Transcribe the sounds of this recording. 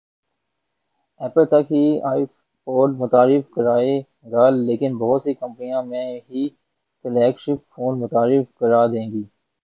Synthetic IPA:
ɛːpəlt̪ɐkɦiaːɪ | poːɖmʊt̪aːɾɪfkəɾaːe | ɡaːlːeːkɪnbɐɦʊt̪sekə̃mpnijãmɛ̃ɦi | kɪlɛːkʃɪpfoːnmʊt̪aːɾɪfkəɾaːd̪ẽːŋɡiː

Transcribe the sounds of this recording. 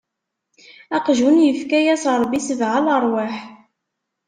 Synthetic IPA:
æqʒunjəfkæjæsɾˤbisəvʕaləɾˤwaħ

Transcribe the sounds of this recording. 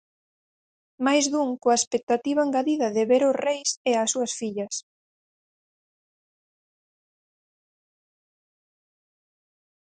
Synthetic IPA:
majzðuŋkoaespek̚t̪at̪iβ̞aŋɡaðiðɐðɪβeɾʊsrejseasuɐsfiʎɐs

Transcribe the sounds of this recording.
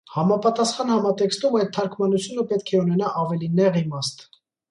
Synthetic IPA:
hɑmɑpɑt̪ɑsχɑnhɑmɑt̪ɛkst̪umɑjt̪̚t̪ʰːɑɾkʰmɑnut͡sʰjunəpɛt̪kʰɛunɛnɑʔɑvɛlinɛʁimɑst̪

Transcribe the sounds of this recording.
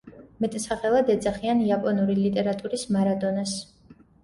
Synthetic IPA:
mɛt̪ʼsaχɛlˠad̪ɛd̪zaχianiapʼɔnuɾilit̪ʼɛɾat̪ʼuɾismaɾad̪ɔnas

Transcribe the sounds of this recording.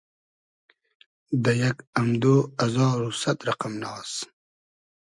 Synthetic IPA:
d̪əjakamd̪oːazɑːɾusat̪ɾaqamnɑːs

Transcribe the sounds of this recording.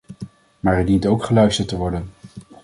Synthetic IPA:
maːɹɛdintowkχəlœɥstəɹtəʋɔɹdən

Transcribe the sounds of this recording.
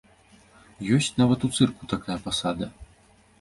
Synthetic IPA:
jɔsʲt͡sʲnavɐt̪ut̪sɨrkut̪akajɐpasad̪ɐ

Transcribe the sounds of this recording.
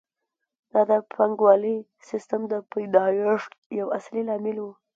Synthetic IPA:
d̪̥ɑd̪əpʰaŋɡwɑlə | sɪst̪amd̪əpajd̪ɑjeʂʈjawaslilɑmɪlwu

